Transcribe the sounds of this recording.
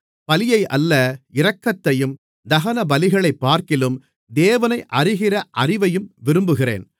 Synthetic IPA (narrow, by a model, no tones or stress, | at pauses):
pɐlɪjɐɪʔɐlːɐɪɾɐkːɐt̪ːɐjɯm | d̪ɐɣɐnɐbɐlɪɣɐɭɐɪpːaːɾkɪlɯm | d̪eːʋɐnɐɪʔɐrɪɣɪrɐʔɐrɪʋɐjɯmʋɪɾɯmbɯɣɪrḛːn